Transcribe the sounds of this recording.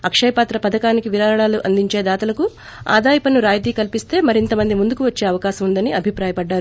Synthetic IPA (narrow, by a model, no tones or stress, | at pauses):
ɐkʂɐjɐpaːt̪ɾɐpɐd̪ɐkaːnikiʋiɾaːɾɐɭaːluʔɐnd̪iɲt͡ʃe̞ːd̪aːt̪ɐlɐku | a̰ːd̪aːjɐpɐnuɾaːjt̪iːkɐlpist̪e̞ːmɐɾint̪ɐmɐnd̪imund̪ukuʋɐt͡ʃːe̞ːɐʋɐkaːʃɐmund̪ɐniɐbʱipɾaːjɐpɐɖːaːɾu